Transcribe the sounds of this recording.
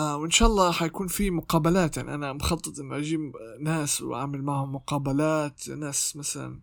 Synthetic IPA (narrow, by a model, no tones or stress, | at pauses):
ʔawʔɪnʃaːʔɑlˤːɑːħajakuːnfimʊqɑːbalaːt̪jaʕniʔanamxɑt̪ˤːɨt̪ˤʔɪnːʊʔad͡ʒiːnaːswʔa̰ʕmɪlmaʕhʊmːʊqɑːbalaːt̪naːsmasala̰n